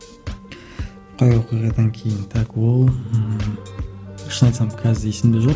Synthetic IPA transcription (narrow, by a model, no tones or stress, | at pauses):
qʰɑjwo̞qijʁɑd̪ɑŋkʲʰe̞jɪnt̪ʰɑkwolˠ | ɪ̥ʃnɑjt̪sɑmkʰʲɑzɪesɪmd̪ɪʒoq